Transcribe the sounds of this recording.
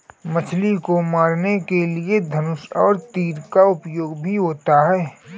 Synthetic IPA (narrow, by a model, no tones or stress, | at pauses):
mɐt͡ʃʰlikomaːɾnekelied̪ʱɐnʊsɔːɾt̪iːɾkaʊpjoːɡbʱiɦoːt̪aɦɛː